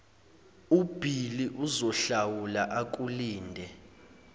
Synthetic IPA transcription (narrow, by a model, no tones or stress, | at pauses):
ub̥ʱiliʔuzɔɬawulaʔak̬ʼuliːndʱɛ